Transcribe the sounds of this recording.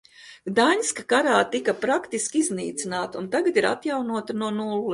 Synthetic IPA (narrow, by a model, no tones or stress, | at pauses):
d̪aɲʲskakaɾaːt̪ikapɾakt̪iskʲiznḭːt̪sinaːt̪unt̪aɡat̪iɾa̰t̪jawnuɔt̪anuɔnul